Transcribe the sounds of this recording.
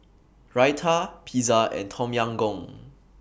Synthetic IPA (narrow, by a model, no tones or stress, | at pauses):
ɹajtʰəpʰizaɛ̰̃ntʰɔ̃mjãŋɡɔ̃ŋ